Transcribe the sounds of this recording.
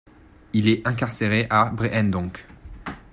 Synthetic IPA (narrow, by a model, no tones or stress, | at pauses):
ilɛɛ̃kaʁseʁeʔabʁeʔɛnd̪ɔ̃k